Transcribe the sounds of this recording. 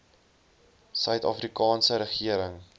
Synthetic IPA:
sœɥtɑːfrikɑːnsəɾəχiəɾəŋ

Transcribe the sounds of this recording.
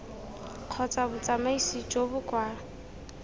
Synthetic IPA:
q͡χʰɔt͡sʼabʊt͡sʼamaisit͡ʃʼobʊkʼwaːa

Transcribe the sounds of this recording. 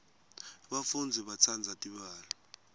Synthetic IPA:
ɓafund͡zʱɛɓat͡sʰand͡zʱatʼiɓaːlɔ

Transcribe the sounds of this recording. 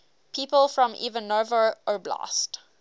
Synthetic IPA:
pʰiːˑpəlˠfɹɔ̃mḭvənovəʔəblɑ̰st

